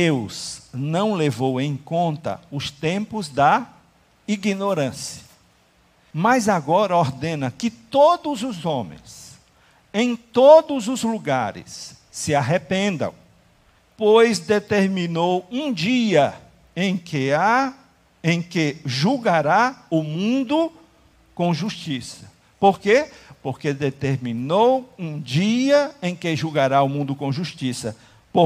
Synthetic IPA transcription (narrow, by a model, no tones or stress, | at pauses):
d̪ewznɐ̃w̃levowẽj̃kõnt̪ɐ̰ʊst̪ẽmpʊzd̪ɐ | iɡinoɾɐ̃siɐ | mɐzaɡɔɾɐoɾd̪ẽnɐkɪt̪od̪ʊzʊzõmḛ̃j̃s | ẽj̃t̪od̪ʊzʊzluɡaɾɪ̰sː | ɪaɦepẽnd̪ɐ̰̃w̃ | pojzd̪et̪eɾmĩnowũd͡ʒiɐ | ẽj̃kɪa | ẽj̃kɪʒuɡaɾaʊmũnd̪ʊ | kõw̃ʒuʃt͡ʃisɐ̥ | poɾkepoɾked̪et̪eɾmĩnowũd͡ʒiɐẽj̃kɪʒuɡaɾaʊmũnd̪ʊkõʒuʃt͡ʃisɐ | po